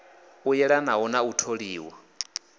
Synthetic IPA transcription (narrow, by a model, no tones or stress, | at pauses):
ujɛɺanaɔnautʰoɺiːwa